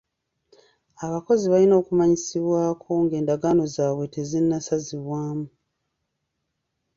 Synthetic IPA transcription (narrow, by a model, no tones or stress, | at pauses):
aβako̞ziβalino̞ːkumaɲisiβwaːkʰo̞ŋɡe̞ːndaɡaːno̞zaːβwe̞te̞zinːasaziβwaːmu